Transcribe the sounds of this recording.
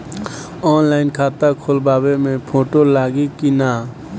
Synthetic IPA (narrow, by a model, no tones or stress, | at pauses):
ɔːnlaːɪnkʰaːt̪akʰoːlbaːbemẽpʰoːʈolaːɡikinaː